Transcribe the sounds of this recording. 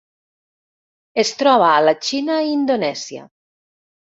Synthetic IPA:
est̪ɾɔβ̞aːlat͡ʃinaind̪onɛzja̰

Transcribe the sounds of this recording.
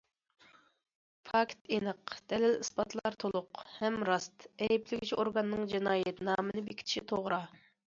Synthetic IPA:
pʰɑkʲt̪ʰenəqd̪̥ɛlɪlispɑt̪ʰlˠɑɾt̪ʰolˠʊqhɛmɾɑst̪ɛjiplɪɡʲit͡ʃʰioɾɡɑnːɨŋd͡ʒinɑːjɛt̪nɑːmɨnɨbekʲʰi̥t̪ʰʃit̪ʰoʁɾɑ

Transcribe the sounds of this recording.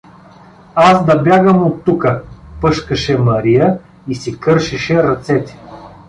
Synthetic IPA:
azd̪ɐbʲjaɡəmot̪ːukəpɤʃkəʃɛmɐɾijə | isikɤɾʃiʃɛɾɐt̪sɛt̪ʲi̥

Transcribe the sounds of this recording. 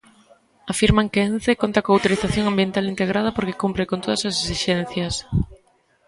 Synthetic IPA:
afiɾmaŋkeenθekont̪akoawt̪oɾiθaθjoŋambjent̪alint̪eɣɾað̞ɐpoɾkekumpɾekont̪oðɐsasesiʃɛnθjɐs

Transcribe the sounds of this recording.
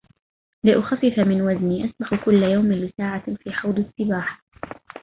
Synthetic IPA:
lɪʔʊxafːɪfamɪnwazniːʔasbaxkʊlːajawmɪlɪsaːʕafiːħawd̪ˤɪsːɪbaːħ

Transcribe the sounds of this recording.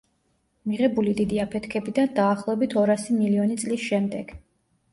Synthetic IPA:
miʁɛbulid̪id̪iapʰɛt̪ʰkʰɛbid̪and̪aːχlˠɔɛbit̪ʰɔɾasimiliɔnit̪sʼlisʃɛmd̪ɛɡ̥

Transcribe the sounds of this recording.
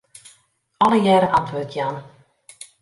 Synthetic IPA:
ɔləjɛːɾəʔɑntʋoːtʰjan

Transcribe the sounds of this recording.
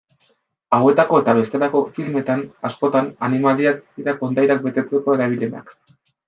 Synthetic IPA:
awe̞t̪ako̞e̞t̪aβe̞st̪e̞lako̞filme̞t̪anasko̞t̪ananimaliak̚d̪iɾako̞nd̪ajɾak̚be̞t̪e̞t͡se̞ko̞e̞ɾaβ̞ile̞na̰k

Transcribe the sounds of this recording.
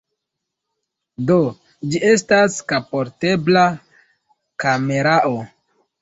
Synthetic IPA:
do̞ | d͡ʒie̞s̬taskapo̞ɾte̞bla | kame̞ɾaʔo

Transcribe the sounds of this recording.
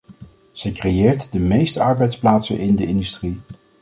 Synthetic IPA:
z̥ɛjkrejɪːɹtdəmejstəɑɹbɛjtsplaːtsə̰nʔɪndəɪndystri

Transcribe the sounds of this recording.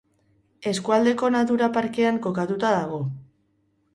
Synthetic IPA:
e̞skuald̪e̞ko̞nat̪̬uɾapaɾke̞aŋko̞kat̪ut̪aðaɣ̞o̞

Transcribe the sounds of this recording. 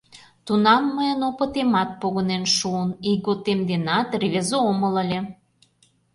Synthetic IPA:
t̪unɑmːəjənopə̆t̪emɑt̪̚poɣənenʃuəniɣot̪emd̪enɑt̪reβezoomələ̆lʲe

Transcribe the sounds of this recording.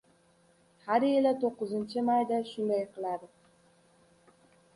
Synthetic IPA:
haɾelat̪ʰoqːɨzɨnt͡ʃɪmajd̪aʃʊnd̪ajqʰɨlˠad̪ɪ

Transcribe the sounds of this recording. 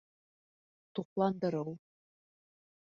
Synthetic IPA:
t̪uqlˠɑnd̪ɤ̆ɾɤw

